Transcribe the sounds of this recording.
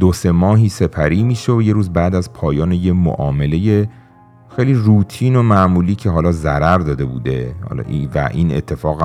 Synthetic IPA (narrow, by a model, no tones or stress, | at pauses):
d̪ose̞mɒːɦiːse̞pʰæɾiːmiːʃeoje̞ɾuːzbæːd̪æzpʰɒːjɒːnejemo̰ʔɒːme̞le̞je | xejliːruːt̪ʰiːno̞mæʔmuːliːcʰe̞ɦɒːlɒːzæɾæɾd̪ɒːd̪e̞bṵːd̪e̞hɒ̰ːl̰ːivæ̰ʔḭːnḛt̪ʰːe̞fɒːɣæ